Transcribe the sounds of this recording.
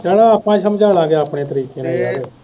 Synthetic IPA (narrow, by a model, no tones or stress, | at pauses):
d͡ʒɛːɽaaːpãːsəmd͡ʒaːlãːɡeaːpɳeːt̪əɾiːkeːnããːɾe